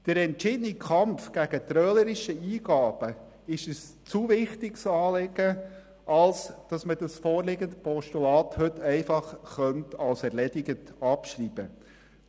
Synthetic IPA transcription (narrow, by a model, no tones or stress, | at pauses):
d̥əɾɛntt͡ʃɪdənikʰɑmfɡ̥æɡ̥ət̪ɾœːləɾɪʃəiːɡ̥ɑːb̥ə | ɪʃəs | t͡suvɪχtɪksɑːleɡə | ʔɑlsd̥ɑsməd̥ɑsfoːɾlɪɡəntpɔʃtulɑːthɵtʰɛɪfɑχχœntɑlsɛɾlɛdɪɡəntɑpʃriːb̥ə